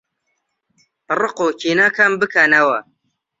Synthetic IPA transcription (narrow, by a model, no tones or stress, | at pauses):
rɨqocinaːkʰambɨkʰanɐwɐ